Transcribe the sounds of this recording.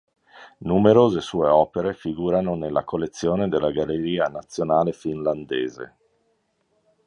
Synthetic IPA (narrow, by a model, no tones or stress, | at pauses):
numeɾoːzesuːeɔːpeɾefiɡuːɾanonelːa̰kolːet̪sːjoːned̪elːaɡalːeɾiːanat̪sːjonaːlefinland̪eːzḛ